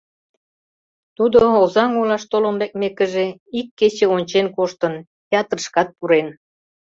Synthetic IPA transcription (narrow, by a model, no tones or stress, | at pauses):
t̪ud̪oozɑŋulɑʃt̪oləmbek̚mekə̆ʒeikːet͡ɕeonʲt͡ɕenkoʃt̪ən | pʲeɑt̪rəʃkɑt̪̚puɾen